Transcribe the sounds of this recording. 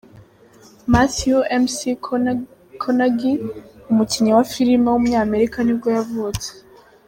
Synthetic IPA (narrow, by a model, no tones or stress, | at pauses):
masioʔemsi | kʰonaɡiumuciɲiwafiɾimewumuɲaːme̞ɾikanib̚ɡojavuːt͡se̥